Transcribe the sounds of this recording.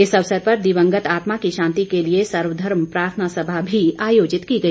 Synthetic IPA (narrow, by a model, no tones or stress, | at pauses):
ɪsɐʋsəɾpɐɾd̪iʋə̃ŋɡət̪aːt̪makiʃãːnt̪ikeliesɐɾʋəd̪ʱɐɾmpɾaːɾt̪ʰənasɐbʱabʱiaːjoːd͡ʒɪt̪kiɡɐi